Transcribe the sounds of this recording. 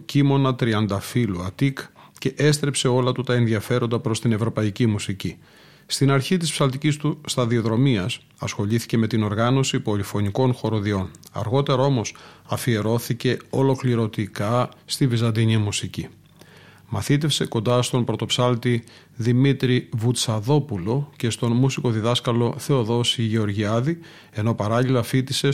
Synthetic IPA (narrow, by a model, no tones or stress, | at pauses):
cimo̞nɐt̪ɾiɐnd̪ɐfiluɐt̪ik | ce̞ʔest̪ɾe̞pse̞o̞lɐt̪ut̪ɐenðiɐfe̞ɾo̞nd̪ɐpɾo̞st̪ine̞vɾo̞pɐicimusici | st̪inɐɾçit̪ispsɐlt̪icist̪ust̪ɐðio̞ðɾo̞miɐs | ɐsxo̞ʎiθi̥ce̞me̞t̪ino̞ɾɣɐno̞sipo̞lifo̞niko̞nxo̞ɾoðio̞nɐ̰ɾɣo̞t̪e̞ɾɐo̞mo̞sɐfie̞ɾo̞θice̞o̞̰lo̞kliɾo̞t̪ikɐst̪ivizɐnd̪iɲimusici | mɐθit̪e̞fse̞ko̞nd̪ɐst̪o̞npɾo̞t̪o̞psɐlt̪i | ðimit̪ɾivut̪t͡sɐðo̞pulo̞ce̞st̪o̞nmusiko̞ðiðɐskɐlo̞θe̞o̞ðo̞siʝe̞o̞ɾʝiɐði | e̞no̞pɐɾɐʎilɐfit̪ise̞